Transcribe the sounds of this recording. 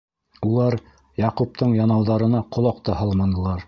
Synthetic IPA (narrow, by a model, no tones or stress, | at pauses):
ulˠɑɾ | jɑqup̚t̪ɤɴjɑnɑwðɑɾɤ̆nɑqŏlˠɑqt̪ɤɦɑlˠmɑnɤ̆lˠɑɾ